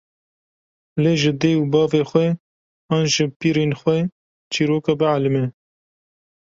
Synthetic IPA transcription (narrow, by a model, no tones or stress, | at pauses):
leːʒɪd̪eːubɑːveːxwɛ | ɑːnʒɪpiːɾeːnxʷwɛ | t͡ʃiːɾoːkɑbɨʕalɨmɛ